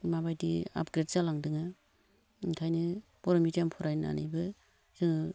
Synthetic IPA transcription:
mabajdia̰p̚ɡɾet̚zalaŋdɯŋa | kʰajnɯpɔɾɔmitampʰɔɾajna̰nibɯ | z̥ɯŋ

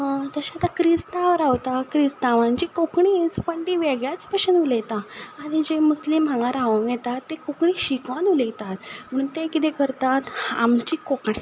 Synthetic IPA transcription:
t̪əɕat̪akɾist̪ãʋəɾaʋt̪akɾist̪aʋãɲt͡ɕikokɳit͡səpəɳʈiʋeɡɭjat͡spəɕənulet̪aːɽ̃id͡ʑemuslimːʱãŋɡaɾaʋəŋɡjɛt̪at̪ːekokɳiːɕikʋanulet̪at̪m̤ənt̪ekit̪ekəɾt̪at̪a̰mt͡ɕiːkokɳe

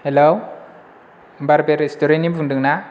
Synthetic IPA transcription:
helow | baɾbeɾestoɾenimbʰʱuŋndɯŋna

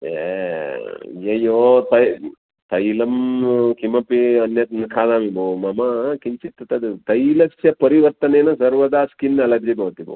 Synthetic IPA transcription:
ḛ | jɐjːoːt̪ɐj | t̪ɐjlɐmkimɐpiɐnjɐt̪nɐkʰaːd̪aːmibomɐmɐkiɲt͡ʃit̪ːɐt̪ɐd̪ut̪ɐjlɐksjɐpɐɾiʋɐɾt̪ɐneːnɐsɐɾʋɐd̪aːskinːɐlɐd̪jibɐʋt̪ibo̰

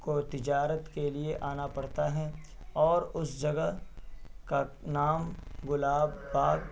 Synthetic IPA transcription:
kot̪ɪd͡ʒaːɾət̪kelieʔaːnapɐɽ̤t̪aɦɛ̃ | ɔːɾʊsd͡ʒɐɡəɦ | kanaːmɡʊlaːbːaːɡ

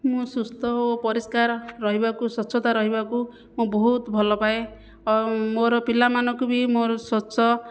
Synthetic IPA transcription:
mũsust̪ɔopɔɾiskaɾːɔɦibakusɔsʰɔt̪aɾɔɦibaku | mũbɔɦut̪bʱɔlɔpae | moɾɔpilamanɔkubimoɾɔsɔsɔ

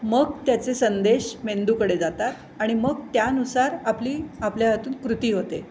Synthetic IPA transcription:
məɡt̪jat͡sesənd̪eɕmend̪uːkəɽed͡zat̪at̪ | aɽ̃iməɡ̚t̪janusaɾapliːapljaɦət̪uːnkɾut̪iːɦot̪e

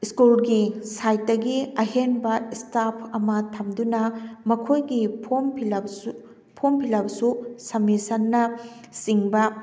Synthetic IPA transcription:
iskulɡisajt̚dɐɡiɐɦenbɐistapʰɐmɐtʰɐmdunɐmɐkʰojɡipʰompʰl | pʰompʰilabsusɐmisɐnːɐsiŋbɐ

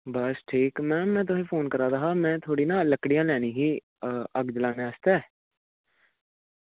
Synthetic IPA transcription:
bəsʈʰiːkmɛ̃ːmɛ̃ːt̪̬ʊsẽːpʰoːnkəɾaːd̪aːɦaːmɛ̃ːt̪ʰoːɽiːnãːləkɽijãːlɛːnĩːɦiː | əɡd͡ʒəlãːnẽːəst̪ɛː

